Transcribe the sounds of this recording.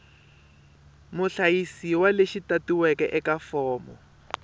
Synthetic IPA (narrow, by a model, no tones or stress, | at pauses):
mʊɬajisiwaleʃitatiwɛkɛʔɛkafɔːmɔ̰